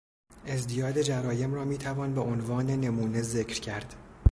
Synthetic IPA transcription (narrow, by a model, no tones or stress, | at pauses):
ʔe̞zd̪ijɒːd̪e̞d͡ʒæɾɒːje̞mrɒːmiːt̪ʰævɒːnbeʔonvɒːne̞ne̞muːne̞zecʰɾcʰæɾd̪̥